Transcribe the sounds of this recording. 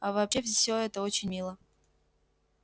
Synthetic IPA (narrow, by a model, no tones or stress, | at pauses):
avɐːpɕeffsʲoɛt̪əot͡ɕɪnʲmʲilˠə